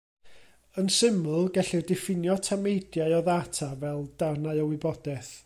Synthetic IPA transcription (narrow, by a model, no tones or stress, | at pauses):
ənsɪmʊlˠɡɛɬirdɛfɪnjɔtʰamejdjaɨɔðatʰavɛlˠd̥arnaɨɔwɪbɔdɛθ